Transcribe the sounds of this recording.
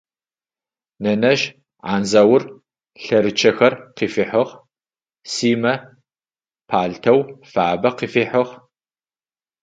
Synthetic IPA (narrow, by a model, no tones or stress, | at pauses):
nɐnɐʒ | ʕaːnzɐwʊr | ɬɐɾɨt͡ʃʰɐxɐrqiːfiːħɐʁ | siːmɐ | pʰaːɮtʰɐwfabɐqiːfiːħɨʁ